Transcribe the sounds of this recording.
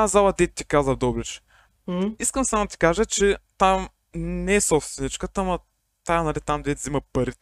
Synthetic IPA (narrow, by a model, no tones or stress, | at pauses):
zalˠɐd̪ɛt̪t̪ikazəvd̪ɔblɛt͡ʃ | iskəmsamud̪ət̪i̥kaʒət͡ʃɛt̪am | nɛɛsɔpst̪vɛnit͡ʃkət̪ːmɐ | t̪ajnɐlit̪amd̪vɛt̪zimɐpɐɾit̪